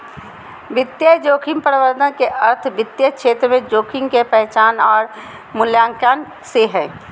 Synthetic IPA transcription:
ʋɪt̪jəd͡ʒoːkʰɪ̃mpəɾʋəɾd̪ənkeʔəɾt̪ʰʋɪt̪jəkʃeːt̪ɾəmẽd͡ʒoːkʰɪ̃ŋɡkepɛɦt͡ʃaːnɔːɾ | mʊljãːŋkaːn | seɦɛ̃ː

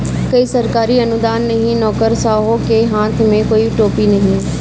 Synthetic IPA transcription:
kɐisɐɾkaːɾiɐnʊd̪aːnːɐɦĩnɔːkəɾsaːɦokeɦãːt̪ʰmẽkoːiʈoːpinɐɦĩ

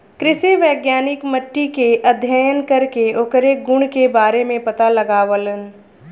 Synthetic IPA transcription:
kɾɪseʋɛːɡjaːnɪkməʈːikeʔɐd̪ʱjəjənkɐɾkeoːkɾeɡʊɳ̃kebaːɾemẽpɐt̪alɐɡaːʋələn

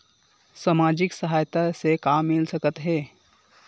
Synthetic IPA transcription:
saːmaːd͡ʒɪksəɦaːjt̪asekaːmːɪlsəkət̪ɦɛː

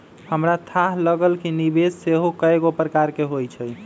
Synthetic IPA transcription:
həmɾat̪ʰaɦləɡəlkinibesːeɦokəeɡopɾəkaɾkeɦojt͡ʃʰəj

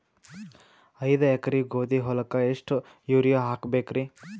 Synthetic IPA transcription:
ɐjd̪ɐekɐɾiɡoːd̪iɦɔlɐkɐeʂʈu | juːɾijoɦaːkbeːkɾi

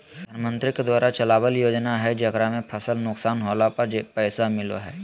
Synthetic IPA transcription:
d̪ʱəɾmə̃nt̪ɾɪked̪waːɾat͡ʃɐlaːʋəljoːd͡ʒnaɦɛd͡ʒɐɡɾamẽpʰɐsəlnʊksaːnɦoːlapɐɾd͡ʒepɛːsamɪlo̰ɦɛː

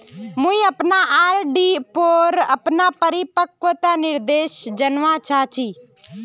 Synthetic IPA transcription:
mʊ̃ĩəpnaʔaːɾɖipoːɾəpnaːpəɾɪpəkʋət̪aːnɪɾd̪eːʃd͡ʒənʋãːt͡ʃʰaːt͡ʃʰiː

